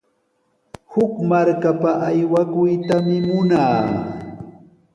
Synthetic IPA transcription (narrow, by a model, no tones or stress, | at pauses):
hʊkmaɾkapaʔajwakʊjt̪amɪmʊnaː